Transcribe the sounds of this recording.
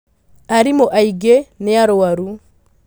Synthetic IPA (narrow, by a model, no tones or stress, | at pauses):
aɾimoʔaiɡeneaɾowaɾu